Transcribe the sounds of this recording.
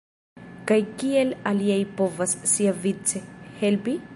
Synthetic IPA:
kajkielaliajpo̞vasːiavit͡sehelpi

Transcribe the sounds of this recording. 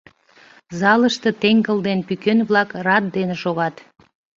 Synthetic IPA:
zɑləʃt̪ət̪eŋɡəld̪enpykønβlɑkrɑt̪̚d̪eneʃoɣɑt̪

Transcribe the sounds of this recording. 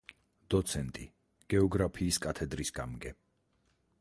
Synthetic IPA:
d̪̥ɔt̪sʰɛnt̪ʼi | ɡ̥ɛɔɡɾapʰiːskʼat̪ʰɛd̪ɾisɡamɡɛ

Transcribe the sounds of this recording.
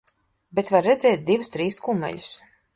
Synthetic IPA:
bet̪vaɾːɛd̪zɛːt̪̚d̪ivust̪ɾiːskumɛ̰ʎu̥s

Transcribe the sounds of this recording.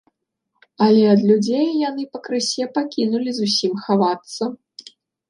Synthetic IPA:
ɐlʲɛɐd̪lʲud͡zʲejːanɨpɐkɾɨsʲɛpakʲinulʲizusʲimxavat̪sːɐ

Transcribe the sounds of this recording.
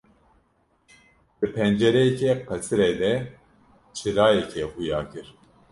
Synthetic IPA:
d̪̥ɨpʰɛnd͡ʒɛɾɛjɛcʰɛqʰɛsɨɾeːd̪ɛ | t͡ʃʰɨɾaːjɛcʰɛhujaːkɨɾ

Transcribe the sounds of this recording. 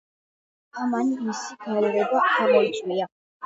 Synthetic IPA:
amaniisiɡalɛɾɛbaamɔit̪sʼwia

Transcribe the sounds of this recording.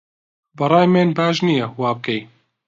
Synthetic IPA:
bɐɾˤɑːjmeːnbaːʒnijɛwaːbɨkɛj

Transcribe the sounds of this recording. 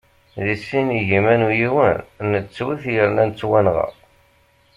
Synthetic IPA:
ðisiniʝimænujiwənnət͡sːwiθjəɾnænt͡sːwænʁɑ̰

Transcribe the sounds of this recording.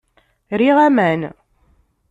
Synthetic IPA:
ɾiʁæmæn

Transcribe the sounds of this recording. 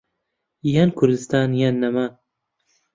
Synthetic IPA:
jankʰʊɾd̪ɨst̪aːnjanːɐmaːn

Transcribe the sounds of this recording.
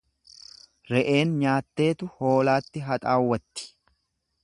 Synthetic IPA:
ɾɛʔe̞ːnɲaːt̪ːe̞ːt̪ʊho̞ːlaːt̪ːɪɦɐt̪ʼaːwːɐt̪ːɪ̥

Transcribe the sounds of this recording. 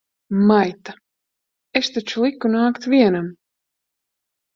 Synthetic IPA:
majt̪a | est̪at͡ʃulˠikːunaːkt̪viɛnam

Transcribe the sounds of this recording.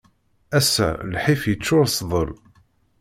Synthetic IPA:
æsæ̰lħifjət͡sːʊɾsðˤəl

